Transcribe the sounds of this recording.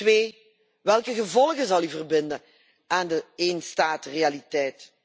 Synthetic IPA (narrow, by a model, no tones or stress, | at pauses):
ʋeː | ʋɛlˠkəɣəvɔlˠɣəzɑlˠyvərbɪndə | aːndəeːnstaːtrealitɛjt